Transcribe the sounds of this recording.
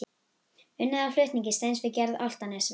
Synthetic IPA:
ʏnːaðaflœɥht̪niɲcɪst̪ejnsvɪcɛɾða̰l̥t̪anɛsv

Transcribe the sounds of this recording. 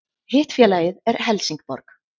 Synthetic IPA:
hɪːht̪fjɛːlaːjɪðɛɾɦɛlsiŋkpɔ̰ɾk

